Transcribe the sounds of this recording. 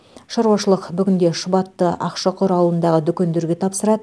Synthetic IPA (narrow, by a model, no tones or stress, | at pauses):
ʃɑɾwɑʃəlˠəqbʏɡʲɪnd̪e̞ʃəbɑt̪ːəʔɑ̰qʃɑqʰoɾɑlˠənd̪ɑʁəd̪ʏkʲe̞nd̪e̞ɾɡʲe̞t̪ʰɑpsəɾɑd̪ə